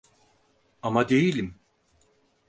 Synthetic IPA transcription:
amad̪e̞jilʲim

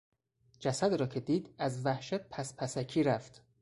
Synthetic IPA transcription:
d͡ʒæsæd̪ɾɒːcʰe̞d̪iːd̪æzvæhʃæt̪̚pʰæspʰæsæcʰiːɾæft̪

